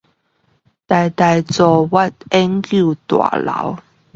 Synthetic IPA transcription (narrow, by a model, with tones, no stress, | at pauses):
t̪a˨˩jt̪a˨jt͡sɔ˨˧wa˥˧t̚ɛ˦˥ŋkju˥˧˨t̪wa̰˨˩la̰˨˦w